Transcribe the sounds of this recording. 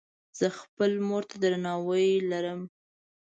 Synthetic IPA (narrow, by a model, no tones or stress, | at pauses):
z̥əxpəlmoɾt̪ad̪ɾanɑwəjlaɾəm